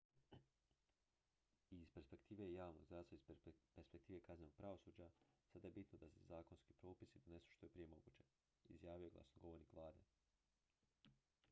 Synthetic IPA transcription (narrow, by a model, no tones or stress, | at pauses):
izpe̞ɾspe̞kt̪iːʋe̞jaːʋnoɡzɾaːsoizpeɾspekt̪iːʋe̞kazenoɡ̚pɾaʋosuːd͡ʑasad̪ajebit̪nod̪asezaːkonskipɾo̞ːpisid̪one̞su̥ʃt̪ojepɾije̞mo̞ɡṵːt͡ɕe̞ | ḭzjaːʋijoɡla̰snoɡo̞ʋo̞ɾnikʋlˠaːd̪e